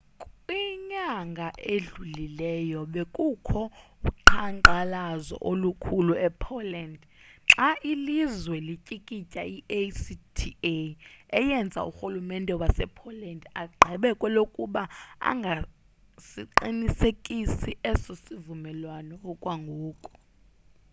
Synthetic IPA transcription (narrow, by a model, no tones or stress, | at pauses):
kʼiɲaŋɡʱaʔeɮulilɛjɔɓekʼukʰɔuǃʰaŋǃalazɔ̰ʔolukʰuluɛpʰɔlɛnd | ǁaʔilizwɛlicʼikʼicʼaiʔesitʰieɛjɛnd͡zʱa̰ṵxulumɛndʱʼɛwasɛ̰pʰɔlɛndaɡ͡ǃʱɛɓɛkʼwɛlokʼuɓaa̰ŋɡʱa | siǃinisekʼisiʔɛsosivumɛlwanɔːkʼwaŋɡʱuːkʼɔ̥